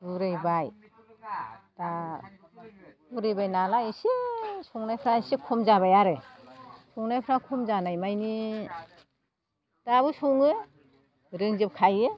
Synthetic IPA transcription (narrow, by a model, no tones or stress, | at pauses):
buɾɯjbaj | d̥a | buɾɯjbajnalaisisuŋnajpʰɾaisikʰɔmzaβajaɾɯ | sɔŋnajpʰɾakʰɔmzanajmajni | d̥aβɯsuŋɯ | ɾɯŋzɯp̚kʰajɯ